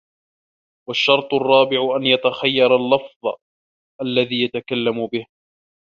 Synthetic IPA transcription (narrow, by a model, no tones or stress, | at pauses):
waʃːɑɾˤt̪ˤʊrˤːɑːbɪʕʊʔanjat̪axajːɑɾˤɑlːɑfðˤ | ʔalːaðiːjat̪akalːamʊbɪh